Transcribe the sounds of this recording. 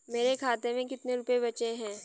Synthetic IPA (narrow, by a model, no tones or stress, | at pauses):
meːɾekʰaːt̪emẽkɪt̪neɾʊpebɐt͡ʃeɦɛ̃ː